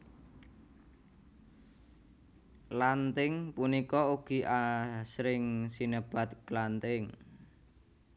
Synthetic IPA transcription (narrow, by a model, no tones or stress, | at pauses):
lant̪ɪŋpunikɔuɡ̥i̤ʔasɾɪŋsinəb̥a̤t̪̚klant̪ɪŋ